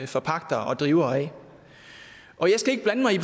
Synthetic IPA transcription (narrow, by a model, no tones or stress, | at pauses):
fɒpʰɑ̈ɡ̥d̥ɐʔɒd̥ʁiːʊɐɛ | ʔɒ̽jɑ̈ɪsɡ̥æe̝ɡ̥əb̥lænəmɑ̈ɪibʰ